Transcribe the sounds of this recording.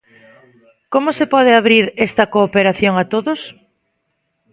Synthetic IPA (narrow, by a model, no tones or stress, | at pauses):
komʊsepɔð̞eaβɾiɾest̪ɐkoːpeɾaθjoŋat̪oðʊs